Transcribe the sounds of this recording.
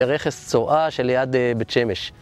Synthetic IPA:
eʁeχest͡soʔaʃeljad̪ebet͡ʃemeʃ

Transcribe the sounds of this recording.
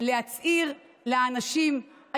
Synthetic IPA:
lehat͡siʁ | leaːnaʃimha

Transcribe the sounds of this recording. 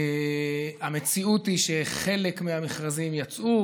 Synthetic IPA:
ame̞t͡siutiʃe̞χe̞le̞kmeamiχʁazimjat͡sʔu

